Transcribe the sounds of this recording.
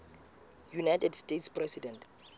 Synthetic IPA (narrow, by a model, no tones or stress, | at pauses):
junajtʰɛdstetspʰrɛsidɛ̃ntʰ